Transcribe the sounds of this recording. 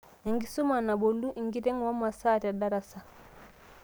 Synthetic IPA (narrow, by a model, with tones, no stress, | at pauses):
a˨ŋɡi˦su˦ma˨na˨bo˨lu˦ʔi˨ŋɡi˦ɾɛ˦ŋwa˦ma˨sa˦ta˨da˦ɾa˨sa˨